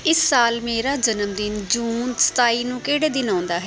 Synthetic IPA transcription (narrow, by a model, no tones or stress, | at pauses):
ɪsːaːlmeːɾaːd͡ʒənəmd̪ɪnd͡ʒuːnsə̥t̪aːiːnũːkeːɽeːd̪ɪnãːnd̪aːɦɛː